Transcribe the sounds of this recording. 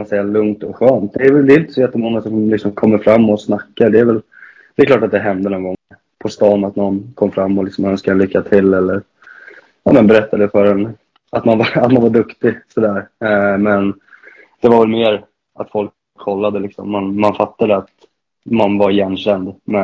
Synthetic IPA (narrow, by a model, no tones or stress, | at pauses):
amansɛjːalɵŋt̪ɔɧøːnt̪̚d̪ɛːɾvɛd̪ɛɪɪnt̪ə̥sɔjɛt̪ːəmɔŋːasɔmlɪksɔmkʰɔmːəɾfɾamːɔsnakːaɖɛːɾvɛl | d̪̥ɛɛklɑːʈat̪̚d̪ɛɦɛnd̪ənɔŋɡɔŋɛ | pʰɔst̪ɑːnat̪nɔnkʰɔmːfɾamːɔlɪksɔmœnskalʏkːat̪ʰɪlːɛlːəɾ | ɑ̰ːmənbɛɾɛt̪ːad̪ɛfœɾɛn | at̪manvaat̪manvaɖɵkt̪ɪsɔd̪æːɾmɛn | d̪̥ɛvaɾvɛlmeːɾ | at̪fɔlkʰːɔlːad̪əlɪksɔ̰mːanːanfat̪ːad̪əat̪ | manvaɾjɛnːɕɛnd̪mɛ